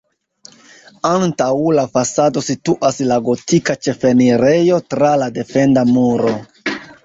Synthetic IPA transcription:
antawlafasado̞situʔaslaɡo̞tikat͡ʃe̞fe̞niɾe̞jo̞tɾalade̞fe̞ndamuɾo̞

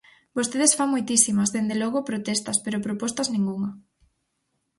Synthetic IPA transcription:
bost̪eðesfaŋmojt̪isimɐzðend̪elɔɣopɾot̪est̪ɐspeɾopɾopɔst̪ɐznĩŋɡuŋɐ

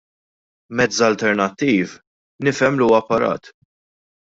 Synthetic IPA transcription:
mɛd͡zɐlt̪ɛɾnɐt̪ːiːv | nɪfɛmliuːwɐpːɐɾɐ̰ːt̪

